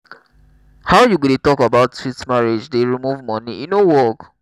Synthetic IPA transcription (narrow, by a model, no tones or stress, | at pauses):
haʊjuɡudetɔkabaʊtswitmaɹed͡ʒdeɹimuvmɔ̃niinowɔk